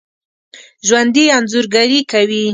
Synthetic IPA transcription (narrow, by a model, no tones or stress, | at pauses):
ʒwand̪ianzʊɾɡaɾikawi